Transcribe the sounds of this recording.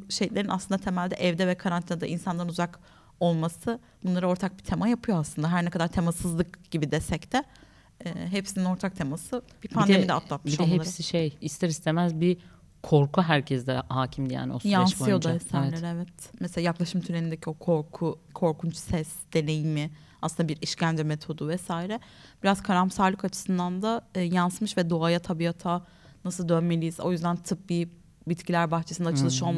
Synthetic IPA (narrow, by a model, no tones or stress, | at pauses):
ʃejlʲe̞ɾina̰slˠɯnd̪at̪ʰe̞mælʲd̪ɛʔɛvd̪ɛvɛkʰaɾanad̪a̰ʔḭnsanlˠaɾɯnuzak | o̞lˠmasɯ | bunlˠaɾɯo̞ɾt̪ʰak̚bit̪ʰe̞majapʰɯjoaslˠɯnd̪aɦæɾnɛkʰad̪aɾt̪ʰe̞masɯzlˠɯkɟ̥ibid̪esɛct̪ɛ | ɛːɦepsinino̞ɾt̪ʰak̚t̪ʰe̞masɯb̥ipʰand̪emid̪ɛ̰at̪ʰlˠat̪̚mid̪ɛɦeasiʃejist̪ʰɛɾist̪ʰemæzbi | kʰo̞ɾkuɦæɾcʰɛzd̪ɛhaːcʰimd̪ija̰ːniosjaanssɯjod̪uesæɾvɛlʲɾɛvɛt̪mɛselʲajaklˠaʃɯmt̪ʰyɾenind̪ecʰio̞kʰo̞ɾkʰukʰo̞ɾkʰunt͡ʃsɛsd̪̥e̞ne̞jimɪ | asɯnabiɾiʃcʰænd͡ʒɾɛmet̪ʰo̞d̪uvɛsaːiɾɛb̥iɾazkʰaɾamsaɾlˠɯkat͡ʃʰɯ̥sɯnd̪and̪aːjansmɯʃvɛd̪oajat̪ʰabiat̪ʰa | nasɯlˠd̪ønme̞lʲijizo̞jyzd̪ænt̪ʰɯp̚bi | bit̪cʰilʲæɾbaxt͡ʃʰesɯnd̪aɯlˠɯʃo̞lˠm